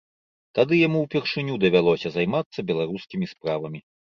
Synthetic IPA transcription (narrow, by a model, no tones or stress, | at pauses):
t̪ad̪ɨjamuwpʲɛrʂɨnʲud̪ɐvʲalˠɔsʲɐzajmat̪sːɐbʲɛlˠaɾuskʲimʲispɾavɐmʲi